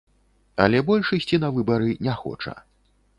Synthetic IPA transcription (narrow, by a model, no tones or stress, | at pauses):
ɐ̰lʲɛbɔlʲʂɨsʲt͡sʲinɐvɨbɐɾɨnʲɛxɔ̰t͡ʂɐ̰